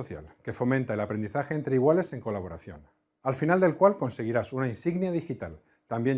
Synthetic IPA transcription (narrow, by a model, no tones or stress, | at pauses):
oθja̰lke̞fo̞mẽnt̪aelapɾe̞nd̪iθaxe̞ːnt̪ɾeiɣ̞wale̞se̞ŋko̞laβ̞o̞ɾa̰θjo̞̰n | alfinald̪e̞lkwalko̞nse̞ɣ̞iɾasunainsiɣnjaðixit̪al | t̪ambje̞n